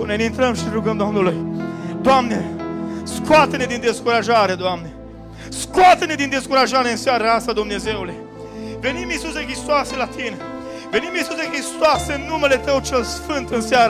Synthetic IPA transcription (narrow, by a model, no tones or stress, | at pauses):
nenint̪ɾəmʃiɾuɡənd̪and̪uled̪wamneskwat̪əned̪ind̪eskuɾaʒaɾed̪wamne | skwat̪ned̪ind̪eskuɾaʒaɾeɨnsjaɾasad̪umnezeule | venimisuzeŋkist̪waselat̪ʰine | venimisuzeŋkist̪wasenːumelet̪əwt͡ʃelsfɨnt̪ɨnsjaɾ